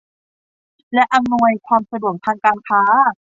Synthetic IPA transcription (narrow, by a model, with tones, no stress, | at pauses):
lɛ˦˥ʔa˧mnu˧əjkʰwaː˧msa˧du˨˩ək̚t̪ʰaː˧ŋkaː˧nkʰaː˦˥